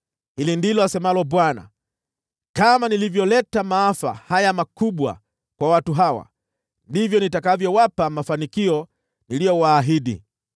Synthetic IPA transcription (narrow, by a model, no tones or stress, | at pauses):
hilindilɔasɛmalɔɓwana̰ | kamanilivjɔlɛtamaafa̰hajamakuɓwa̰ | kwawatuɦawa̰ | ndivjɔnitakavjɔwapamafanikiɔ | nilijɔwaːɦiɗḭ